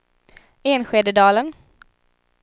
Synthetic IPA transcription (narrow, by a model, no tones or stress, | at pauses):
eːnɧeːd̪əd̪ɑːlən